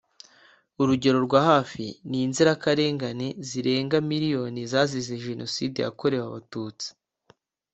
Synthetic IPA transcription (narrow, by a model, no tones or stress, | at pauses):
uɾuɟe̞ɾo̞ɾɡwaːhaːfiniːnziɾakaɾe̞ːŋɡane̞ziɾe̞ːŋɡamiɾijo̞nizaːzizeʒe̞no̞siːde̞ja̰ko̞ɾe̞waβatuːt͡si̥